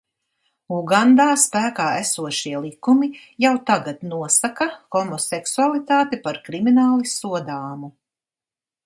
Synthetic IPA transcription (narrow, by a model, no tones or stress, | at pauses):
uɡand̪aːspæːkaːæsuɔʃiɛlˠikumi | jawt̪aɡat̪nuɔsakaxɔmɔsɛksualˠit̪aːt̪ipaɾkɾiminaːlˠisuɔd̪aːmu